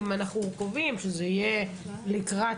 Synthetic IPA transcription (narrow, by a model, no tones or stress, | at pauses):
manaχnukovimʃezeije | likʁa